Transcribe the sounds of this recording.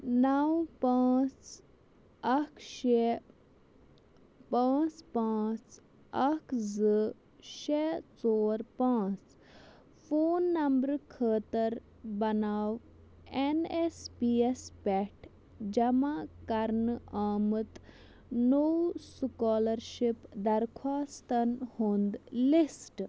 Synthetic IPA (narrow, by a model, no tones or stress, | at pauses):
nawpaːt͡s | ɐkʰʃe | pãːt͡spãːt͡s | ɐkʰzɨ | ʃet͡soːɾpãːt͡s | fʰoːnːɐmbɾkʰəːt̪əɾ | bɐnaːʋ | enespiːespɛʈʰ | d͡ʒɐmakɐɾnaːmɨt̪ | nowsukaːləɾʃipd̪ɐɾkʰwaːst̪ɐnhõːnd̪lisʈ